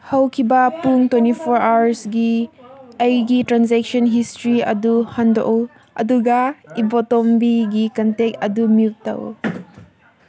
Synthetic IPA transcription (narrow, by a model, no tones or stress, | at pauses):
hɐwkʰibɐpuŋtwentipʰɔɾawɾsɡi | ɐjɡitɾansɛk̚sɔnɦistɾiɐ̰duhɐndɔ̰ʔɔ | ʔɐ̰duɡaibɔtɔmbiɡikɐntek̚ɐdumiutːɐ̰w̰